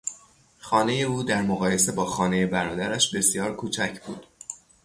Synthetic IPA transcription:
xɒːne̞je̞uːd̪æɾmoɣɒːje̞se̞bɒːxɒːne̞je̞bæɾɒːd̪æɾæʃbe̞sjɒːɾkʰuːt͡ʃʰæcʰbṵːd̪̥

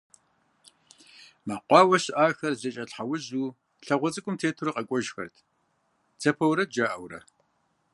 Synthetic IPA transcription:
maːqʷɑːwɐɕɪʔaːxɐrzɐt͡ʃʼɐɬħawʊʑuː | ɬɐʁʷɔt͡sʼɨkʷʼʊmtʰeːtʰuɾɐqʼɐkʷʼɔʒxɐ̰rtʰ | t͡sʰɐpʰɐwɾɐd̚d͡ʒaːʔɐwrɐ̰

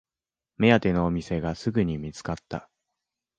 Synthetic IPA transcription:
me̞at̪e̞no̞ːmʲise̞ɡasɨɡɯ̟ɲ̟imʲit͡sɨ̥kat̪ːa̰

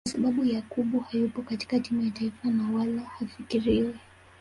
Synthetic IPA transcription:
asaɓaɓujakuɓuhajupɔkati̥kad͡ʒimujataifanawalahafikiɾiwɛ

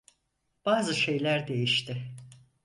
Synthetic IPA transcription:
b̥aːzɯʃe̞jlʲæɾd̪e̞jiʃt̪ʰɪ

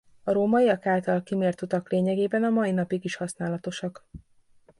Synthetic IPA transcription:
ɒɾoːmɒiɒkaːlt̪ɒlkimeːrt̪ut̪ɒkleːɲɛɡeːbɛnɒmɒinɒpiɡiʃhɒsnaːlɒt̪o̞ʃɒk

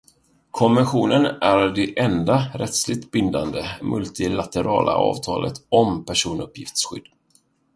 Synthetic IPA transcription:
kʰɔmvɛnɧuːnənæɾɖɛʔɛnd̪aɾʔɛt̪slɪɡ̚t̪bɪnd̪and̪əmʔɵlt̪ɪlat̪əɾɑːlʔa̰ɑ̰ːvt̪ʰɑːlʔə̰t̪ɔmpʰæʂuːnɵpjɪft̪sɧʏ̰d̪̥ː

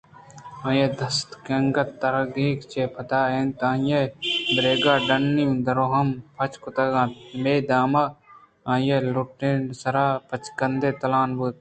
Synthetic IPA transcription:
ãːjeːd̪ɐst̪kɐŋɡɐt̪ːɐɾɐɡiːkt͡ʃeːpʰɐt̪aːeːnt̪ãːjebɾeːɡaːɖɐnːimd̪ɐɾoːɦɐmpʰɐt͡ʃkʊt̪ɐɡãːt̪meːd̪aːma | ãːjeluʈːensɐɾaːpɐt͡ʃkɐnd̪eːt̪ɐlaːnbuːt̪̚

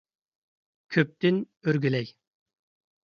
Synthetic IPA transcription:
kʲʰøp̚t̪ɪn | øɾɡʲylɛj

